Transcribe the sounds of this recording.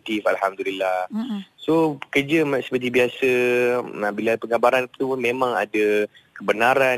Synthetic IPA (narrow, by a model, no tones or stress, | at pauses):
t̪ifalɦamd̪ulilːahsoəkərd͡ʒəmsə̥pət̪̬ibiasə | bilapəŋabaɾant̪umẽmãŋa̰da | kəbənaɾa